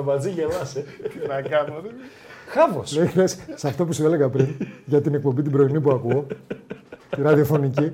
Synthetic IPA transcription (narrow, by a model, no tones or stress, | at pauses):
ɐvɐd͡ziʝelɐsenɐkɐnot̪i | xɐvo̰slelessɐft̪o̞p̬usiele̞ɣɐpɾinʝɐt̪inek̚po̞mbit̪ibɾo̞inipuɐkuo̞ | t̪iɾɐðio̞fo̞nici